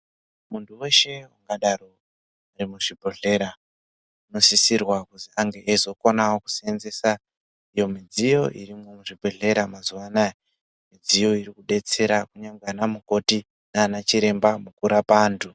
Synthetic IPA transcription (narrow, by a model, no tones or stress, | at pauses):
muntʰuwe̞ʃe̞waŋɡaɗaro | rimuʐibʱoɮe̞ɾa | uno̞sisirwakuziaŋɡe̞ʔezo̞ko̞nawoku̥sienze̞sa | ijo̞mid͡zijo̞ʔirimo̞muʐibʱo̞ɮe̞ɾamazuʋanaje | mid͡zijo̞irikuɗe̞t͡se̞ɾakuɲaŋɡanamuko̞ti | naːnat͡ʃiɾe̞mbamukuɾapaːntʰu